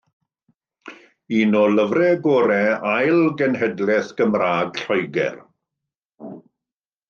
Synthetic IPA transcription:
iːnɔləvrɛɡɔːɾɛajlˠɡənhɛdlɛθɡ̥əmraːɡɬɔjɡɛ̰r

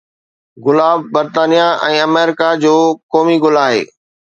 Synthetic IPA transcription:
ɣʊlaːbːɐɾt̪aːnijaʔɛ̃ːɐmeːɾɪkad͡ʑoːkɔːmiɡʊlaːɦḛː

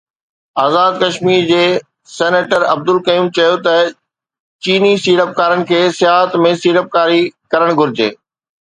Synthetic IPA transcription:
aːzaːd̪̚kɐʃmiːɾd͡ʑeː | sɛːneːʈəɾɐb̚d̪ʊlkɐiːmt͡ɕɐjot̪ɐ | t͡ɕiːnisiːɾəp̚kaːɾəɽɪ̆kʰeːsɪjaːɦət̪mẽsiːɽəp̚kaːɾikɐɾəɽ̃ɡʱʊɾɪd͡ʑḛː

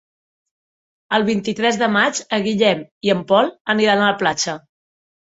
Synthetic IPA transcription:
əlˠβint̪it̪ɾɛzðəmad͡ʒəɣiʎɛmiəmpɔlˠəniɾanələplat͡ʃə

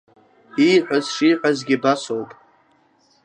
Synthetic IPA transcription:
iħʷazʂiːħʷazɡʲibasowpʼ

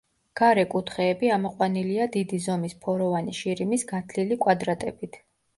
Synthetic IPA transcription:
ɡ̥aɾɛkʼut̪ʰχɛːbiamɔqʼwaniliad̪id̪izɔmispʰɔɾɔvaniʃiɾimisɡat̪ʰlilikʼwad̪ɾat̪ʼɛ̰bit̪ʰ

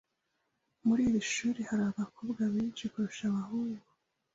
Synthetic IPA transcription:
muɾiːβiʃuːɾehaɾaːβakoːbɡaβiːnʃikuɾuʃamahuŋɡu

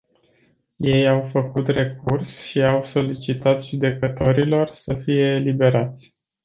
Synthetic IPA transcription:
je̞jawfəkut̪re̞kursʃiawso̞lit͡ʃit̪at̪ʒud̪e̞kət̪o̞ɾilo̞rsəfije̞ːlibe̞ɾat̪sʲ

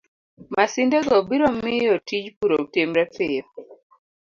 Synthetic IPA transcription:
masɪndɛɡɔbiɾɔmɪjɔtid͡ʒpuɾoutemɾɛpɪjɔ

